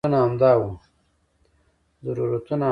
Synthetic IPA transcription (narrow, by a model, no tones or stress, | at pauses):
unaamd̪ɑwu | zaɾuɾat̪una